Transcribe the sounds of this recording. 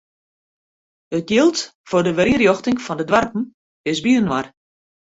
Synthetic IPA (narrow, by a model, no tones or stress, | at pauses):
ətjɪlˠtfordəʋəɾiərjoxtɪŋfɔndədʋarpn̩ | ɪsbiənʋar